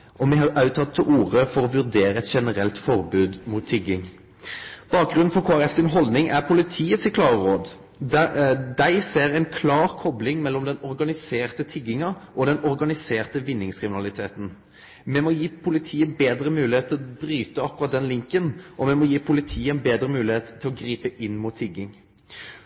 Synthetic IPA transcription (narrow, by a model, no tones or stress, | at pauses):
ʔɔmɛɦɑɾʔɑʉt̪ʰɑt̪̚t̪ʰːɪlʔuːʁəfɔɾɔʋʉɾd̪eːɾəɛt̪ʃɛnəɾɛlt̪fɔʁbʉːd̪mʊt̪ʰːɪɡɪŋ | b̥ɑːk̚ɡɾʉn̩fɔɾkʰoːæɾɛfsɪnɦɔld̪nɪŋʔæʁpʰʊlɪt̪ʰiːəsɪkʰlɑːʁəʁoːd̪ | d̪æɪseːɾæɪnkʰlɑːɾkʰɔblɪŋmɛlːɔmd̪ɛnɔɾɡɑnɪseːʁt̪ət̪ʰɪɡɪŋɑʔɔd̪ɛnɔɾɡɑnɪseːʁt̪əʋɪnːɪŋskʰɾɪmɪnɑlɪt̪ʰeːt̪n̩ | mɛmɔjiːpʰʊlɪt̪ʰiːəbeːd̪ɾəmʉːlɪheːt̪ʰːɪbɾyːt̪əɑkːʉɾʁɑt̪̚d̪ɛnlɪŋkənʔɔmɛmɔjiːpʰʊlɪt̪ʰiːəɛnbeːd̪ɾəmʉːlɪheːt̪t̪ʰːɪlɔɡɾiːpəʔɪnːmʊːt̪ʰːɪɡːɪŋ